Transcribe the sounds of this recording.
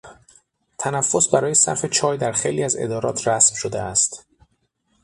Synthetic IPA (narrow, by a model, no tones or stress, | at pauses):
t̪ʰænæfːo̞sbæɾɒːje̞sæ̰ɾfe̞t͡ʃʰɒːjd̪æɾxejliːæze̞̰d̪ɒːɾɒ̰ːt̪ʰɾæsmʃo̞d̪eæst̪